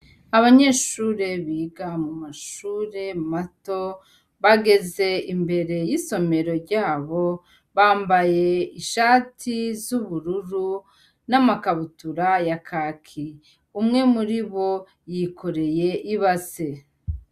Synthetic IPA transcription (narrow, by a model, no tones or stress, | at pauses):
aβaɲe̞ːʃuːɾe̞βiːɡamumaʃuːɾe̞mato̞ | βaɡe̞ze̞imbe̞ɾe̞jiso̞me̞ɾo̞ɾɟaːβo̞ | βaːmbaje̞iʃaːtʰizuβuɾuɾu | namakaβutuɾajakʰakʰi | umŋe̞muɾiβo̞ | jikʰo̞ɾe̞je̞ʔiβase